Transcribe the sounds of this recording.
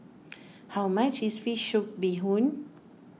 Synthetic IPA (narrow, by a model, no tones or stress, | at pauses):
hawmat͡ʃisfiʃud̚biɦũn